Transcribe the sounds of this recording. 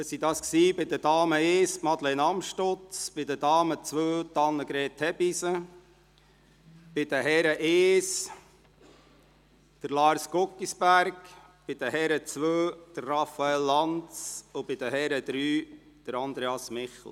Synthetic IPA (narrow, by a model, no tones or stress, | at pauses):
əsid̪ɑːsksiːbɪd̪ədɑːməeːsmɑd̪lenɑmʃtʊt͡sb̥ɪd̪ədɑːmət͡sʋøːt̪ɑnːəɡɾeːtʰhɛbisə | b̥ɪd̪əɦɛɾəʔeːs | d̪̥əɾlɑːɾskokːisbæɾk | b̥ɪd̪əɦɛɾət͡sʋøːd̥̪ərːɑfɑɛlːɑnt͡sʊb̥ɪd̪əhɛɾəd̪ɾyː | d̥əɾɑnd̪ɾeɑsmɪχl̩ˠ